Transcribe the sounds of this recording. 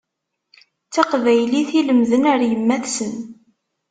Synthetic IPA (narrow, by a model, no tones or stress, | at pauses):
t͡sːɑqvæjliθiləmðənəɾjəmːæθsən